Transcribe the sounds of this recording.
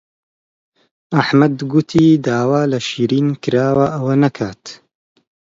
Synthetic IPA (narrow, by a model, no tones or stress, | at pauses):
aħmɐd̪ɡʊt̪ʰiːd̪aːwaːlɐʃiːɾiːnkɨɾaːwaʔɐwɐnɐkʰaːt̪